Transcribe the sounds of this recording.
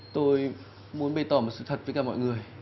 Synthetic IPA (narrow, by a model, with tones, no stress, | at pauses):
t̪o˧j | mu˨˦ənɓə˧˩jt̪ɔ˨˧˩m˨˩t̚sɨ̰˧˨t̪ʰə˨˩t̚ə˨˦jkaː˧˩mɔ̰˧˨jŋɨ˨˩əj